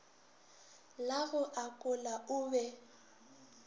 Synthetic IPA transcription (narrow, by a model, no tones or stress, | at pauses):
laɣʊʔakʼʊlaʊbɛ